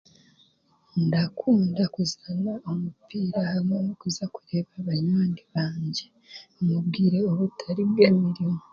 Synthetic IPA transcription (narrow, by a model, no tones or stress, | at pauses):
ndakʰuːndakuzanaomupiːɾahamwenokuzakuɾe̞ːβaβaɲaːndiβaːɲɟe̞ | mubɡiːɾe̞oβutʰaɾibɡeːmiɾimo